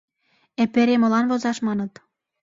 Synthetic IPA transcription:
epeɾemɤ̆lɑnvozɑʃmɑnɤ̆t̪

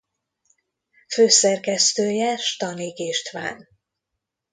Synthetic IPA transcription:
føːsɛrkɛst̪øːjɛʃt̪ɒnikeːʃt̪ʋa̰ːn

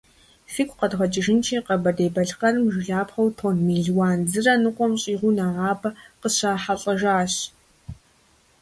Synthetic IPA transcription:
siːkʷʰʼqɐdʁʷɐd͡ʒʼɪʒɪnt͡ʃʰeːqɐbɐdeːbɐɮqɐrɨmʒɪɮaːpχɐwtʰoːnmiːɮwaːnd͡zɨrɐnɨqʷʼɔmɕʼiːʁʷunaʁaːbɐqəɕaːħaɬʼɐʒaːɕ

